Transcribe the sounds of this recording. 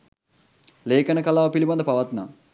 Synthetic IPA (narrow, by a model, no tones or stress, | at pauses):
leːkənəkɐlaːʋəpilibɐnd̪əpaʋɐt̪na̰